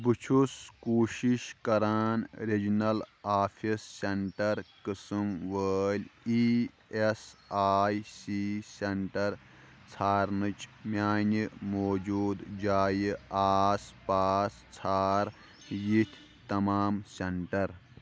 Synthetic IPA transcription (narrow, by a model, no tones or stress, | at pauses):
bɨt͡ʃʰuskoːʃiʃkɐɾaːnɾed͡ʒnɐlaːpʰisːeɳʈɐɾkɨsɨmʋəːlʲi | esaːjsiseɳʈɐɾ | t͡sʰaːɾnɨt͡ʃmʲjaːnimoːd͡ʒuːd̪d͡ʒaːjiaːspaːst͡sʰaːɾ | jit̪ʲʰ | t̪ɐmaːmseɳʈɐɾ